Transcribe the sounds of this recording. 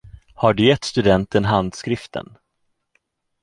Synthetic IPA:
haɖɵjɛt̪ːst̪ɵd̪ɛnt̪ənɦand̪skɾɪft̪ʰə̰n

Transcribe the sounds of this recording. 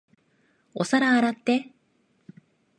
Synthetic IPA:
o̞̰saɾaːɾat̪ːe̞

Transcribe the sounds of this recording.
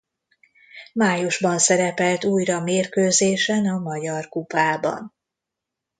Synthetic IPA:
maːjuʒbɒnsɛɾɛpɛlt̪uːjrɒmeːrkøːzeːʃɛnɒmɒɟɒrkupaːbɒ̰n

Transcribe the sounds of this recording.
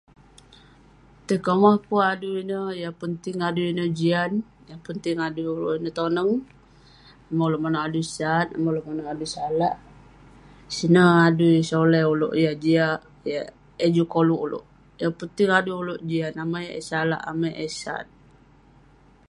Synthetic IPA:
t̪əkomahkuaduinəjapənt̪ɪŋaduinəd͡ʒian | japənt̪ɪŋaduulo̰ʔinət̪onəŋ | aməloʔmanoʔadusanaməloʔmanoʔadusalaʔ | sinəaduisolɛulo̰ʔjad͡ʒia | ja | ed͡ʒukoluʔulo̰ʔ | japənt̪iŋaduuloʔd͡ʒianamajḛsala̰ʔamajʔesa̰t̚

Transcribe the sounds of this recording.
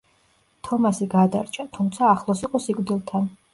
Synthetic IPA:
t̪ʰɔmasiɡad̪a̰ɾt͡ʃʼʰat̪ʰumt̪sʰaːχlˠɔsiqʼɔsikʼd̪ilˠt̪ʰan

